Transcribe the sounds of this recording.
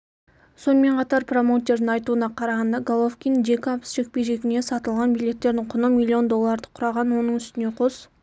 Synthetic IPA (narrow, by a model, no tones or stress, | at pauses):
so̞nəme̞ɴqʰɑt̪ɑɾpro̞mot̪ʲːe̞ɾd̪ɪŋɑjt̪uənɑqʰɑɾɑʁɑnd̪ɑɡolˠofkʲind̪e̞kʲɑbəsʒe̞k̚ʲpe̞jʒe̞kʲɪne̞sɑt̪əlˠʁɑnbijlʲe̞t̪ːe̞ɾd̪ɪɴqʰʊnəmilʲːio̞nd̪o̞lˠːɑɾd̪əqʰʊɾɑʁɑnwo̞nəɴʏst̪ɪne̞qʰos